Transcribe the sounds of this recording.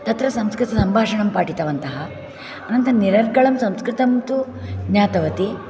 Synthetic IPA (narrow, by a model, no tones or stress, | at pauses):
t̪ɐt̪ɾɐsɐmskɾɪt̪ɐsɐmbʱaːʂɐɳɐmpaːʈit̪ɐʋɐnt̪ɐɦɐː | nɐnt̪ɐɐniɾɐɾɡɐɭɐmsɐmskɾɪt̪ɐmt̪u | ɲaːt̪ɐʋɐt̪i